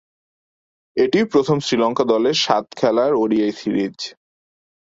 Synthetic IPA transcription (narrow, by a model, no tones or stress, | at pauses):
eʈiwpɾot̪ʰomsɾilɔŋkad̪ɔleɾʃat̪kʰɛlaɾoɾiajsiɾid͡ʑ